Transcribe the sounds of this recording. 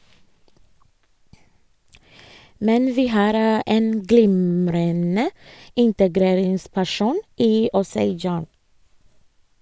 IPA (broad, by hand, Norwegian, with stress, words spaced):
ˈmɛn ˈʋiː ˈhɑːɾ ə ˈʔeːn ˈɡlɪmɾənə ˈɪntəˌɡɾeːɾɪŋspæˌʃuːn ˈiː ˈɔseɪ ˈd͡ʒɑːn